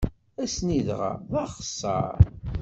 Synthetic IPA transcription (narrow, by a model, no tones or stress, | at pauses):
æsniðʁa̰ðˤɑχə̥sˤːɑ̰ɾ